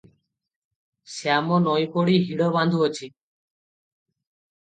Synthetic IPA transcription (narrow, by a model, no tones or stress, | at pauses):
seamɔnɔjpɔɽiɦiɽɔβand̪ʱuɔt͡ʃʰi